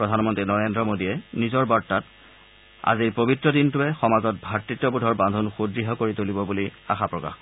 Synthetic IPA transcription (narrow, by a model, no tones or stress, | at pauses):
pɹɔdʱanmɔntɹinɔɹendɹɔmodiɛnizɔɹbaɹtːat | a̰ziɹpobitːɹɔdintʊɛxɔmazɔt̚bʱatɹitːɔbudʱɔɹbandʱɔnxudɹiɦɔkoɹitolibɔbulia̰xapɹɔka̰x